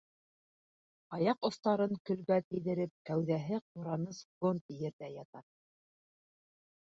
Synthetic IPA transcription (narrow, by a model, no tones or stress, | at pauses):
ɑjɑqŏst̪ɑɾɤŋkɵ̆lβæt̪ɘ̆jðɘ̆ɾɘp̚kæwðæɦɘq̚uɾɑnɤsɡont̪jɘ̆ɾðæjɑt̪ɑ